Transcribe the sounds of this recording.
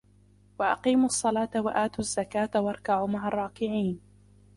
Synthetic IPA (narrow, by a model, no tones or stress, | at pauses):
wɑʔɑqiːmɑsˤːɑlɑːt̪awaʔaːt̪uazːakaːt̪awʔɑɾˤkaʕuːmaɦarˤːɑːkɪʕiːn